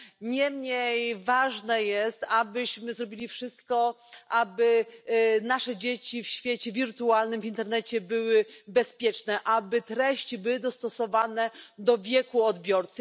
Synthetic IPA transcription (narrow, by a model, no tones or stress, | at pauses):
ɲɛmɲejvaʐnɛjɛst̪abɘɕmɘzɾɔbʲilʲifʂɘst̪̚kɔ | ʔabɘ | naʂɛd͡ʑet͡ɕifɕfʲjet͡ɕɛvʲiɾt̪ualnɘmvʲint̪ɛɾnɛt͡ɕɛbɘwɘbɛspʲjɛt͡ʂnɛʔabɘt̪ɾɛɕt͡ɕibɘwɘd̪ɔst̪ɔsɔvanɛd̪ɔvʲjɛkuɔd̪bʲjɔɾt̪sɨ